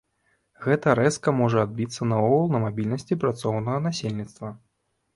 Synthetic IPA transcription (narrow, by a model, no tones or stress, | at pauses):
ɣɛt̪ɐɾɛskɐmɔʐɐad̪̚bʲit̪sːɐnɐɔɣɐlˠnɐmabʲilʲnɐsʲt͡sʲipɾat̪sɔwnɐɣɐnasʲelʲnʲit̪st̪vɐ